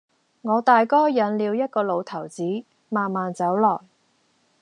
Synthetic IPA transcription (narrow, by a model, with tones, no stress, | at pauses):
ŋɔː˨˧t̪aː˨jkɔː˥jɐ˨˥nliː˨˧wjɐ˥t̚kɔː˧lo˨˧wt̪ʰɐ˨˩wt͡siː˨˥ | maː˨nmaː˨nt͡sɐ˨˥wlɔː˨˩j